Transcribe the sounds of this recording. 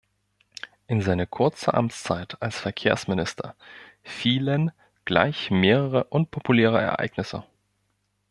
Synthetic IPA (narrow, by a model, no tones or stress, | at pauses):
ʔɪnzaɪnəkʰʊɐt͡səʔa̰mt͡st͡saɪtalsfɛɐkʰeːɐsmɪnɪstʰɐ̰ | fiːlən | ɡ̥la̰ɪçmeːʁ̞əʁəʔʊnpʰopuleːʁ̞əɛ̰ɐʔa̰ɪɡnɪsə̰